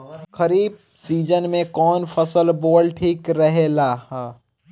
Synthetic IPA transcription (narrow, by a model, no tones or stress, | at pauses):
kɐɾiːb̚ | siːd͡ʒənmẽkɔːnfʰəsəlboːlʈʰiːkɾɐɦeːlaːh